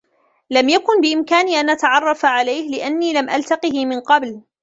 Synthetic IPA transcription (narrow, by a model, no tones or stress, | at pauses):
lamjakʊnbɪʔɪmkaːniːʔanʔat̪aʕɑrˤːɑfaʕalajhlɪʔanːiːlamʔa̰lt̪ɑqɨhmɪnqɑbl